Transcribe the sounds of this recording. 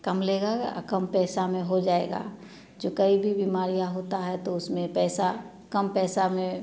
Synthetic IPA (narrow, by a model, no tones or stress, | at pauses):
kɐmleːɡa̰kəmpɛːsamẽɦod͡ʒaːḛːɡa̰ː | d͡ʒoːkəibʱibiːmaːɾijaɦoːt̪aɦɛt̪oʊsmẽpɛːsa | kəmpɛːsamẽ